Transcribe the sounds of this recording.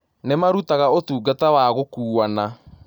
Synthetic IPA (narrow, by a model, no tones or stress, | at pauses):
nemaɾutaɣaotuːɡatawaɣokuːana